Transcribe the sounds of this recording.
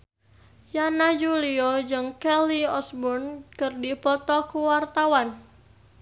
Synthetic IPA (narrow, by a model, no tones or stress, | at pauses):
janad͡ʒuliɔd͡ʒɨŋkɛliɔsbʊnkərdipɔt̪ɔkuwart̪awan